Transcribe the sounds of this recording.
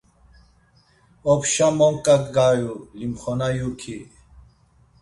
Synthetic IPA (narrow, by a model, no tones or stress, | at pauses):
opɕamoŋkɐt̪ɡaːjulimxonajukʰi